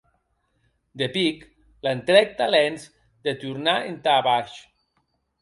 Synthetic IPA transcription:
d̪epik | lent̪ɾɛk̚t̪alɛnz | d̪et̪uɾnaent̪aːβaʃ

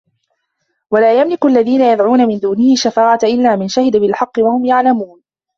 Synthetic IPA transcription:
walaːjamlɪkʊʔalːaðiːnajad̪ʕuːnamɪnd̪uːnɪhɪʃːafaːʕat̪ʔɪlːaːmɪnʃahɪd̪abɪlħɑqːɨwahʊmjaʕlamuːn

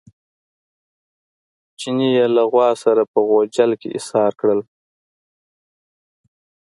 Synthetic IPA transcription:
t͡ʃinijelaɣwɑsaɾapəɣod͡ʒalkḛʔɪ̰shɑɾkɽəl

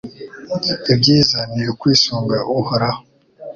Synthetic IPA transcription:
ebɟiːzaniɾekwiːsuːŋɡaʔuhoɾa

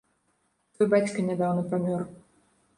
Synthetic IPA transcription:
t̪ɔjbat͡sʲkɐnʲad̪awnɐpamʲɔr

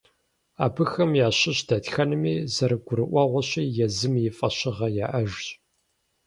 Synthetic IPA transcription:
aːbɨxɐmjaːɕɪɕdɐtxɐnɨmiːzɐɾɨɡʷʊɾɨʔʷɐʁʷɔɕiːjɛzɨmjɪfʼɐɕɪʁɐjaːʔɐʒɕʼ

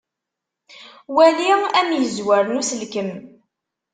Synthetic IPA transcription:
wæliʁæmjəzwæɾnusəlkəm

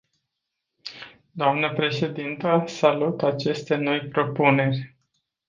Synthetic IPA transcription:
d̪oamnəpɾe̞ʃe̞d̪int̪əsalut̪at͡ʃe̞st̪e̞no̞jpɾo̞pune̞rʲ

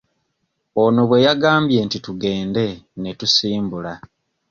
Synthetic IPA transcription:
ono̞βwe̞jaɡaːmbje̞ntituɡe̞ːnde̞ne̞tusiːmbula

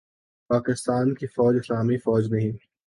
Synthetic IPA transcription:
paːkɪst̪aːnkifɔːd͡ʒɪslaːmifɔːd͡ʒnɐ̃ɦĩː

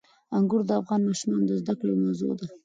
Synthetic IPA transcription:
aŋɡuɾd̪əafɣɑnmɑʃumɑnod̪əzd̪aklemawzo̰d̪a

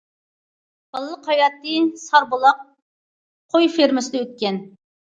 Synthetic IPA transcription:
b̥ɑlˠlˠəqhɑjɑt̪ːɨsɑɾbolˠɑq̚ʰ | ojfeɾmɪsɪd̪ɛøt̪̚kʲɛn

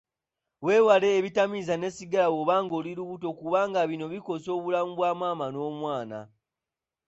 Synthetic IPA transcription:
we̞ːwale̞ːβitamizane̞siɡalawo̞βaːŋɡo̞ːliɾuβuto̞kuβaːŋɡaβino̞βiko̞so̞ːβulamuβwaːmwaːmano̞ːmwaːna̰

